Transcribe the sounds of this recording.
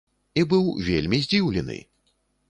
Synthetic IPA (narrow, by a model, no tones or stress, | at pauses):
ibɨwvʲḛlʲmʲizʲd͡zʲiwlʲɛ̰nɨ̰